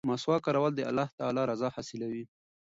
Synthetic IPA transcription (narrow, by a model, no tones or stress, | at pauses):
mɑswɑkɑɾawald̪əa̰lːɑht̪aalɑɾazɑhɑsɪlawi